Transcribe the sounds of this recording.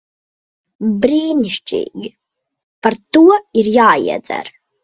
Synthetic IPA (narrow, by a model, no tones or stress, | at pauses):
bɾiːnʲiʃt͡ʃḭːɡ | paɾt̪uɔiɾjaːḭɛzɛ̰ɾ